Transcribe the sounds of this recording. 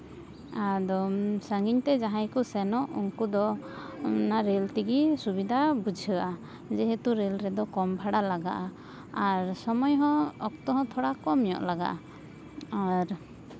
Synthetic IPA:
ad̪ɔsaŋɡiɲt̪ɛd͡ʒaɦãjkusɛnɔʔṵŋkud̪ɔ | naɾɛlt̪iɡisubid̪ʱabud͡ʒʱəʔa | d͡ʒɛɦɛt̪uɾɛlɾɛd̪ɔkɔmbʱaɽalaɡa̰ʔa | aɾsɔmɔjɦɔ̃ɔk̚t̪ɔɦɔ̃t̪ʰɔɽakɔmijɔ̰ʔlaɡa̰ʔa | aɾ

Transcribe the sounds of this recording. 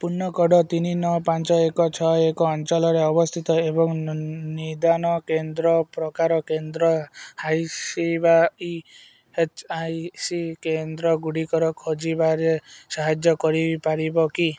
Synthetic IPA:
punːɔkɔɖɔt̪ininɔpant͡ʃɔekɔt͡ʃʰɔekɔːnt͡ʃɔlɔɾeɔbɔst̪ʰit̪ɔebɔŋnid̪anɔkend̪ɾɔpɾɔkaɾɔkend̪ɾɔhajsibai | et͡ʃajsikend̪ɾɔɡuɽikɔɾɔkʰɔd͡ʒibaɾesaɦad͡ʒjɔkɔɾipaɾibɔki

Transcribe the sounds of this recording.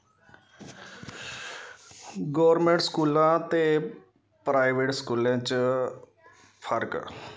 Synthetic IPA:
ɡɔːɾmẽːɳʈskuːlãːt̪eː | pɾaːiʋeːʈskuːlãːt͡ʃ | pʰəɾk

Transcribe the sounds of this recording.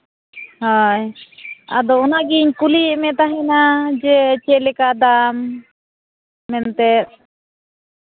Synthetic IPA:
haja̰d̪ɔːnaɡiɲkuliɛmɛt̪aɦɛnad͡ʒɛt͡ʃɛʔlɛkad̪am | ɛnt̪ɛt̪̚

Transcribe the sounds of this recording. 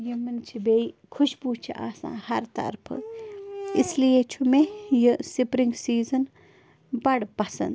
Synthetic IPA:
jimɨnt͡ʃʰibeikʰuʃbut͡ʃʰiʔa̰ːsã̰ːhɐɾt̪ɐ̰ɾpʰ | islijet͡ʃʰumejisipɾiŋɡsiːzən | bɐɽpɐsɐ̰nd̪

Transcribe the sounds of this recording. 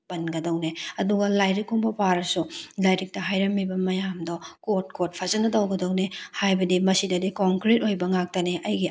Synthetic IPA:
pɐnɡɐdɐwneɐduɡɐlajɾikuŋbɐpaɾɐsulajɾik̚tɐɦajɾɐmːibɐmɐjamdɔkot̚kot̚pʰɐzɐnɐdɐwɡɐdɐwnehajbɐdimɐsidɐdikoŋkɾetojbɐŋak̚tɐneʔɐjɡi

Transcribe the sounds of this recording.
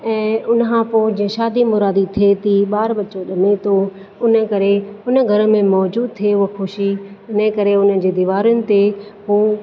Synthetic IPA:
ɛ̃ːʊnkʰãpoːd͡ʑĩẽʃaːd̪imʊɾaːd̪it̪ʰiet̪iɓaːɾɓɐt͡ɕoɗɐmet̪ʰo | ʊnə̆kɐɾeʊnə̆ɡʱɐɾəmẽmɔːd͡ʑuːd̪̚t̪ʰieɦʊɦxʊʃiʊnəkɐɾeʊnəɪ̆d͡ʑeːd̪iːʋaːɾʊnɪ̆t̪eɦoː

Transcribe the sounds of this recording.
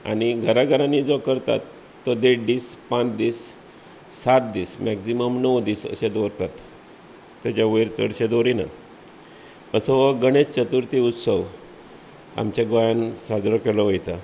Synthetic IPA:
a̰ñiɡʱəɾaɡʱəɾãnid͡zɔkəɾt̪a̰t̪ː | əd̪eʈd̪iːspãt͡sd̪iːsː | at̪̚d̪iːsmæksiməmnəʋd̪iːsə̰ɕed̪ɔɾt̪at̪ː | at͡ɕaʋejɾt͡sə̰ɽɕed̪oɾina̰ | əsəʋəɡəɽ̃est͡ɕət̪uɾt̪iut̪səʋ | a̰mt͡ɕaɡojansad͡zɾɔkelɔʋəjt̪a

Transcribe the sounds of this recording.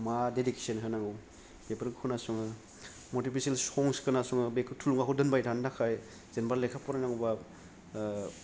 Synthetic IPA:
madedike̥sənɦʰɯnaŋɯw | bepɐɾɡɯkʰɯnasuŋɯ | mɔɾtipʰiselsɔŋskɯnasuŋɯbekʰtʰuluŋakɦowdɯnbajdʱandakʰaj | z̥enbaɾlekʰapɔɾanaŋba

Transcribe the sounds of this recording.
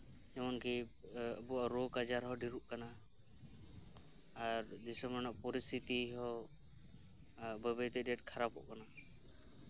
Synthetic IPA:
d͡ʒɛmɔnki | əbuaɾɔkad͡ʒaɾɦɔɖiɾuʔkana | ɾd͡ʒisɔmanɔʔ̚pɔɾist̪ʰit̪iɦɔ | bəbəjt̪ɛdɛʈ̚kʰaɾapɔ̰ʔkana

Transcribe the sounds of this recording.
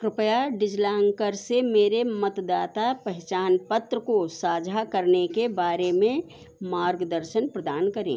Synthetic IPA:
kɾɪpəjaɖɪd͡ʒlaːŋkəɾsemeːɾemət̪d̪aːt̪apəɦt͡ʃaːnpət̪ɾəkosaːd͡ʒʱakəɾnekebaːɾemẽ | maːɾɡd̪əɾʃənpɾəd̪aːnkəɾḛ̃

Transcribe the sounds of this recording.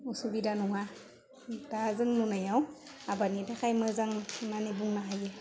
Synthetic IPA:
usubidanuŋa | tazəŋnunajawabanidakajməzaŋnanebuŋnaɦaje

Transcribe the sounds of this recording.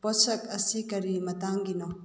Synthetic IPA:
pɔsɐk̚ɐsikɐɾimɐtaŋɡinɔ

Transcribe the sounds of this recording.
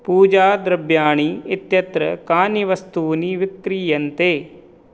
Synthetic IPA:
puːd͡ʒaːd̪ɾɐbjaːɳ̃iːɪt̪jɐt̪ɾəkaːniʋɐst̪uːniʋɪkɾiːjɐnt̪eː

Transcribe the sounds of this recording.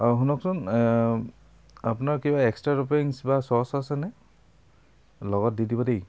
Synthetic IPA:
aɦunɔksɔn | apʊnaɹkibaɛkstɹaɹopeɹiŋsbasɔɹsasɛnɛ | lɔɡɔt̚didibɔdej

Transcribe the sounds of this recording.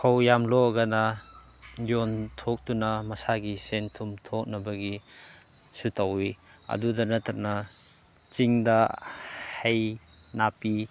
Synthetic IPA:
kʰawjamloɡanɐ | jontʰok̚tunɐmɐsaɡisentʰumtʰok̚nɐbɐɡi | sutʰawi | ɐ̰dudɐnɐtʰak̚nɐ | t͡ʃiŋdɐ | hej | napi

